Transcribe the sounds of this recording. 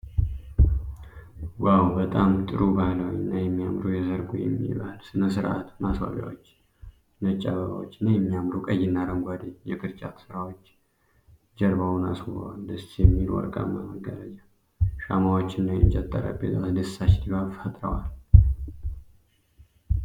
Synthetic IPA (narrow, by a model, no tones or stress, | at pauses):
wawbət̪ʼamt̪ʼɨɾubahləwɪnːajɛmːijamɾujɛzəɾɡujɛ̰mːḭβahlsɨnəsɨɾa̰t̪maswa̰βja̰wot͡ʃː | nət͡ʃʼːaβəβa̰wo̰t͡ʃːɪnːajɛmːijamɾukʼəjːɪnːaɾəŋɡʷad̪ɨɲjɛkʰɨɾt͡ʃʼat̪sɨɾawo̞t͡ʃː | d͡ʒəɾbawnasə̰wald̪ɨsjɛmːilwɔ̰ɾkʼa̰mːaməɡːələd͡ʒa | ʃamawot͡ʃːɪnːajɛt͡ʃʼɛt̪ʼːəɾə̰bet̪ʼat̪d̪ɨsat͡ʃt̪iβaβfət̪ʼɾəwal